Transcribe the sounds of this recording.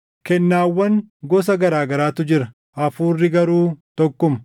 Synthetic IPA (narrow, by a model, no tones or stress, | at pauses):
kɛnːaːwːɐŋɡɔs̬ɐɡɐɾaːɡɐɾaːt̪ʊd͡ʒɪɾɐ | ʔɐfuːrːɪɡɐɾuːt̪ɔkːʊmɐ̥